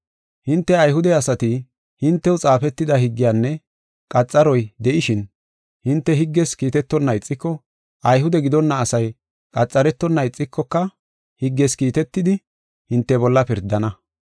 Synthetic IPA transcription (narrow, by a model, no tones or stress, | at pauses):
hɪnt̪ːɛɐjɦʊd̪ɛɐsɐt̪ɪ | hɪnt̪ːɛwt͡sʼaːfɛt̪ːɪd̪ɐhɪɡːɪjaːnːɛ | kʼɐt͡sʼːɐɾɔjd̪ɛʔɪʃɪn | hɪnt̪ːɛɦɪɡːɛskiːt̪ɛt̪ːɔnːɐɪt͡sʼːɪkːɔ | ɐjɦʊd̪ɛɡɪd̪ɔnːɐːsɐj | kʼɐt͡sʼːɐɾɛt̪ːɔnːɐɪt͡sʼːɪkːɔkːɐ | hɪɡːɛskiːt̪ɛt̪ːɪd̪ɪ | hɪnt̪ːɛbɔlːɐpɪɾd̪ːɐnɐ